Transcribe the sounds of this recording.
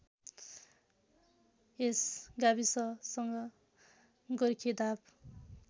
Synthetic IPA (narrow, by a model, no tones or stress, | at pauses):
esɡabisʌsʌŋɡʌ | ɡʌɾikʰed̪ab